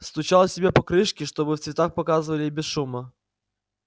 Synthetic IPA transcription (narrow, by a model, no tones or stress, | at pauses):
st̪ʊt͡ɕalˠsʲɪbʲepɐkɾɨʂkʲɪʂt̪o̞bɨft̪svʲɪt̪axpɐkazɨvəlʲɪbʲɪsʂumə